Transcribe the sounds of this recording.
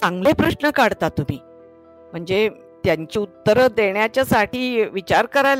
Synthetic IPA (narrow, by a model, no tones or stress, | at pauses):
sãŋɡlepɾəɕɳəkaɽt̪at̪um̤iː | m̤əɳd͡ze | t̪jaɲt͡ɕiːut̪ːəɾəd̪eɳjat͡ɕjasaʈʰiːʋit͡ɕaɾkəɾajl